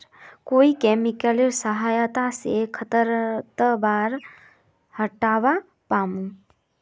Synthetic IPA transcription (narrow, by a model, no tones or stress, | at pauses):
koːikeːmɪkəliɾsəɦaːjt̪asekʰət̪əɾt̪əbaːɾ | həʈaːʋa | paːmũː